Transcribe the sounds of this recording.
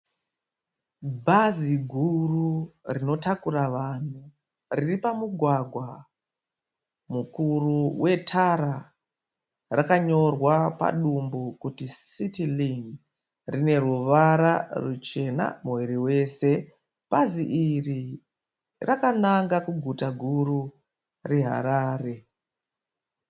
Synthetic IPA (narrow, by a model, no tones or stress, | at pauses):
bʱaziɡʱururino̞takuɾaʋaːn̤u | riripamuɡʱwaɡʱwa | mukuruwʔe̞tʰaɾa | rakaɲo̞rwapa̰ɗumbukutisitiliŋ | rine̞ruʋaɾarut͡ʃe̞na̰muwiɾiwe̞ːse̞ | paziʔiri | rʔakanaŋɡakuɡʱutaɡʱuɾu | reɦa̰ɾaːre̞